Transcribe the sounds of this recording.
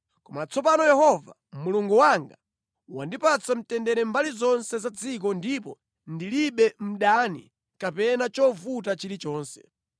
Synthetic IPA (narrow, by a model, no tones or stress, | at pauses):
kɔmat͡sɔp̬anɔjɛhɔva̰ | muluŋɡuwaŋɡa | wandipat͡sam̩tɛndɛɾɛmbalizɔnsɛzad͡zik̬ɔndipɔ | ndiliɓɛm̩ɗanḭ | kapɛnat͡ʃɔvutat͡ʃiɾit͡ʃɔːnsɛ̥